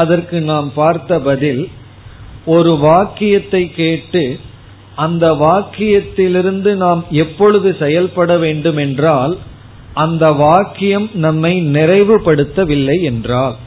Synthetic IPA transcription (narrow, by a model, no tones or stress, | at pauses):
ɐðɐrkɯnaːmpaːɾt̪ɐbɐðɪl | ɔɾɯʋaːkɪjɐt̪ːɐɪkːeːʈːɯ | ɐnd̪ɐʋaːkɪjɐt̪ːɪlɪɾɯnd̪ɯnaːmɛpːɔɻɯðɯsɛjɐlpɐɽɐʋeːɳɖɯmɛndraːl | ʔɐnd̪ɐʋaːkːɪjɐmnɐmːɐɪnɪrɐɪʋɯpɐɽɯt̪ːɐʋɪlːɐɪɛndraːl